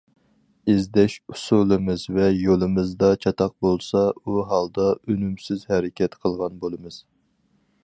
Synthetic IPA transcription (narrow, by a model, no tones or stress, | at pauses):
ɪzd̪ɛʃusulˠɨmɨzvɛjolˠɨmɨzd̪ɑt͡ʃʰɑt̪ʰɑq̚bolˠsɑuɦɑlˠd̪ɑønymsɪzhɛɾɪkʲʰɛt̪qʰəlˠʁɑnbolˠɨmɨz̥